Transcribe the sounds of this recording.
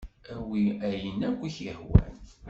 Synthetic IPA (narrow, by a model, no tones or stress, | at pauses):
æwiæjənækʷːiçəhwæ̰n